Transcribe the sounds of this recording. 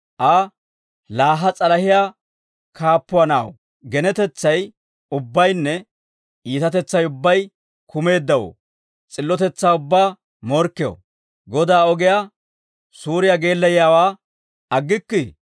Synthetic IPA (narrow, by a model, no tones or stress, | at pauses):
ʔɐ | laːɦɐt͡sʼɐlɐhɪja | kʰaːpːʊɐna̰ːw | ɡɛnɛt̪ɛt͡sːɐj | ʊbːɐjnːɛ | iːt̪ɐt̪ɛt͡sːɐjʊbːɐj | kʊme̞ːd̪ːɐwo̰ː | t͡sʼɪlːɔt̪ɛt͡sːaːʊbːaː | mɔɾkːɪjo̰ | ɡɔd̪aːɔɡɪja | suːɾɪjaɡe̞ːlːɐjjaːwaː | ɐɡːɪkːɪ